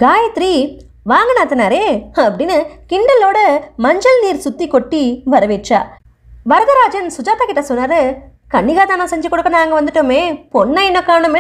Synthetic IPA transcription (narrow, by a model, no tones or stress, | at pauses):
ɡaːjɐt̪ːɾi | ʋaːŋɡɐnaːt̪ɐnːaːɾeːɐpːɐɽɪnːɯkɪɳɖɐlːoːɽɐmɐɲd͡ʒɐlniːɾsʊt̪ːikɔʈːiʋɐɾɐʋeːʈt͡ʃa̰ː | ʋɐɾɐðɐɾaːd͡ʒɐnsʊd͡ʒaːt̪aːkɪʈːɐsɔnːaːɾɯ | kɐɳːɪɣaːt̪aːnɐ̃sɛɲd͡ʒɐkːɔɽɯkːɐnaːŋɡɐʋɐnd̪ɯʈːomeːpɔnːɐɪnːɐkːaːɳɯme